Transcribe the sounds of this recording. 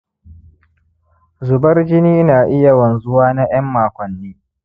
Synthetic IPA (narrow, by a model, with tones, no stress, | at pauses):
zʊ˨bɐ˦rd͡ʒɪ˦niː˦naː˨ʔɪ˦ja˨wɐ˨nzʊ˦waː˦na˦j̰ɐ˦mːaː˨kʷɔ˨nːiː˦